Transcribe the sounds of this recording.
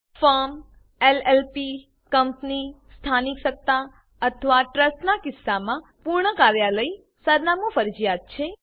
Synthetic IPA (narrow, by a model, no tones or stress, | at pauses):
fəɾm | elelpi | kəmpnist̪ʰanikʃək̚t̪a | ət̪ʰəʋaʈɾəsʈnakɪsːamãpuɾɳəkaɾjaləi | səɾnamũfəɾd͡ʒijad̪̚t͡ʃʰe